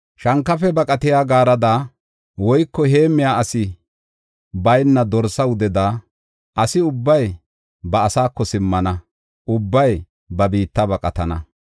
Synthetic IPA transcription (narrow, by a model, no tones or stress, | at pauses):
ʃɐŋkːɐfɛbɐkʼɐt̪ɪjaːɡaːɾɐd̪aː | wɔjkːɔɦe̞ːmːɪjaːʔɐsɪ | bɐjnːɐd̪ɔɾsɐwʊd̪ɛd̪a | ʔɐsɪʊbːɐj | bɐːsaːkːɔsɪmːɐnɐ | ʊbːɐj | bɐbiːt̪ːɐbɐkʼɐt̪ɐnɐ